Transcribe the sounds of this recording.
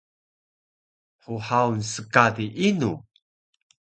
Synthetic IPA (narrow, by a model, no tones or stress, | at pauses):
ħuħawnsəkadiʔinu